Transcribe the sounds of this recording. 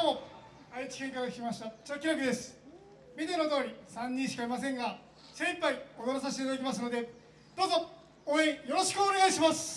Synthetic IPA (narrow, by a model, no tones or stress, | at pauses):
o | ait͡ɕi̥kʲẽ̞ŋkaɡakʲi̥kʲimaɕi̥t̪at͡ɕiakʲiɾakɯ̟d̪e̞sɨ̥ | mʲid̪enod̪o̞ːɾʲisãɲ̟ːĩɰ̃ɕi̥kaɾʲimasẽ̞ŋɡa | sẽ̞mpaiod̪oɾasaɕit̪et̪ad̪ak̬ʲimasɨno̞d̪e̞ | d̪̥o̞ːzo̞ | oẽjo̞ɾo̞ɕi̥kɯ̟one̞ɣaiɕimasɨ̥